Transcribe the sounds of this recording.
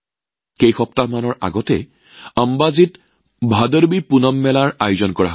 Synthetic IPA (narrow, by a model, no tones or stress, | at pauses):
xejxɔp̚tamanɔɹa̰ɡɔtɛ | əmbazit | bʱadəɹbipunɔmːɛlaɹajuzɔnkɔa̰ɦ